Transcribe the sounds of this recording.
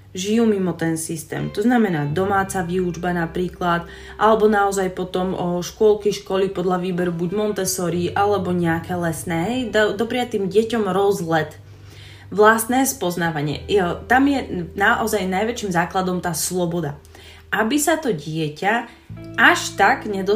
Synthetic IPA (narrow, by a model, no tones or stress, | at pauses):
ʒijuːmimɔt̪ɛnsist̪ɛ̰ːmt̪ɔznamɛnaːd̪ɔmaːt͡saʋiːud͡ʒbanapɾiːklat̪ | ʔalɛbɔnaɔzajpɔt̪ɔmɔʃkʊɔlˠkɛʃkɔlipɔd̪ʎaʋiːbɛɾubuɟmɔnt̪ɛsɔɾiʔalɛbɔɲɛakɛːlɛsnɛːɦɛjd̪d̪ɔpɾɪat̪iːmɟɪɛcɔmɾɔzlɛt̪ | ʋlast̪nɛːspɔznaːʋaɲɪɛ̰t̪amjɛnaʔɔzajnajʋɛt͡ʃiːmzaːklad̪ɔmt̪aːslɔbɔd̪a | ʔabisat̪ɔɟɪɛca | ʔaʃt̪aɡɲɛd̪ɔ